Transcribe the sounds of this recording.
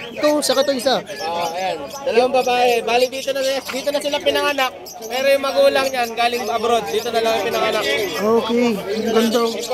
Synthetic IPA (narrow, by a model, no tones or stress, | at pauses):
t̪oŋsɐkɪt̪oɪsaoʔoʔɐjand̪̥ɐlɐwaŋbɐbaːʔɛbaːlɪt̚d̪iːt̪onɐd̪iːt̪o̞nɐsɪlapɪnɐŋanak̚ | pɛːɾojʊŋmɐɡuːlɐŋɲanɡaːlɪŋɐbɾo̞d̪̚ːiːt̪o̞nɐlɐŋpɪnɐŋanak̚ʔoːkɛjɡʊnd̪o